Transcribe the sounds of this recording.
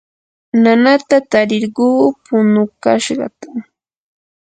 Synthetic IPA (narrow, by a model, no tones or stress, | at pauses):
nanat̪at̪aɾɪɾɢuːpʊnʊkaʃɢɑ̰t̪a